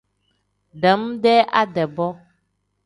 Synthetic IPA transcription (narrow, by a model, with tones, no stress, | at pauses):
ɖɛ˨˦m˦ɖɛ˦ʔa˦ɖɛ˨bɔ˦